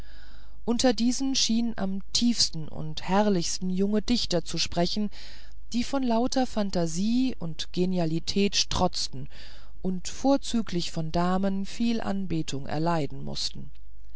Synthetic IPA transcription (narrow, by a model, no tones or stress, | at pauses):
ʔʊntɐdiːzn̩ʃiːnnʔa̰mtʰiːfstn̩ʊ̰nthɛʁlɪçstn̩jʊŋədɪçtɐt͡suʃpʁ̥ɛçn̩ | d̥iːfɔnlaʊtʰɐfantaziːʊntɡ̥enjalitʰɛːtʃtʁ̥ɔt͡stn̩ | ʔʊntfoːɐt͡syːklɪçfɔndaːmənfiːlʔa̰nbeːtʰʊŋʔɛ̰ɐlaɪdn̩mʊ̰stn̩